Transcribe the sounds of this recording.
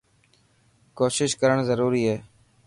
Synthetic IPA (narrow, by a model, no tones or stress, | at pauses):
koːʃɪʃkəɾəɳ̃zəɾuːɾiːɦeː